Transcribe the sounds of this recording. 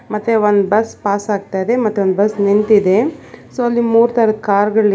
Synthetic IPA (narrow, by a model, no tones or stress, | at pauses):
mɐt̪ːeond̪bɐspaːsaːɡ̚t̪ajd̪e̞mɐt̪ːeond̪bɐsnint̪id̪e̞soːɐlːimuːɾt̪ɐɾɐd̪̚kaːɾɡɐɭ